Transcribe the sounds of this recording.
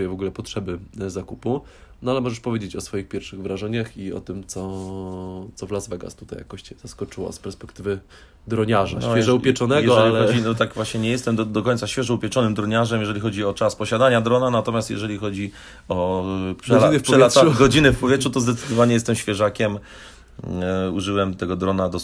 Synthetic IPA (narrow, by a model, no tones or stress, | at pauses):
jɛvɔɡulɛpɔtʂɛbɘzakupu | nɔalɛmɔʐɛʂpɔvʲjed͡ʑet͡ɕɔsfɔjixpʲjɛɾfʂɘɣvɾaʐɛɲaxiɔ̰t̪ɘmt̪sɔ | t̪sɔvlazvɛɡa̰st̪ut̪a̰ja̰kɔɕt͡ɕɛz̥askɔt͡ʂɘwɔ̰spɛɾspɛkt̪ɘvɘ | d̪ɾɔɲaʐanfʲɛʐɛupʲjɛt͡ʂɔnɛɡjɛʐɛlilɔd͡ʑiɔt̪aɡvwaɕɲɛɲɛjɛst̪ɛmd̪d̪ɔkɔɲ̃ʲnt̪saɕfʲɛʐɛupʲjɛt͡ʂɔnɘmd̪ɾɔɲaʐɛmjɛʐɛlʲixɔd͡ʑiɔt͡ʂaspɔɕad̪aɲad̪ɾɔnanat̪ɔmʲjast̪jɛ̰ʐɛlʲixɔd͡ʑi | ɔpʂlnʂɛat̪uɡɔd͡ʑinɘfpɔvjɛtʂut̪ɔzd̪ɛt̪sɨd̪ɔvaɲɛjɛst̪ɛmɕfʲjɛʐakʲɛm | uʐɘwɛmt̪ɛɡɔd̪ɾɔnad̪ɔ